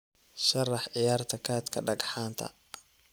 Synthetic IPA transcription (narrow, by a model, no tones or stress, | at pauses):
ʃɐrɑħʕɪjaːrt̪ʰɐkʰaːt̪kʰɐɖɐɡħaːnt̪ʰɐ̰